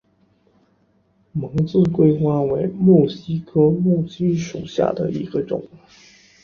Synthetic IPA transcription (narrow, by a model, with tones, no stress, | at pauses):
mɤ˧˥ŋt͡sɹ̩˥˧kwe˥ɪxwa˥we˧˥ɪmɔ˥˩ɕi˥kʰɤ˥mu˥˩t͡ɕi˥nʂu˨˩ɕja̰˥˩d̪ə̰˩ḭ˧˥ɡ̥ə˧ʈ͡ʂʊ̰˨˩˦ŋ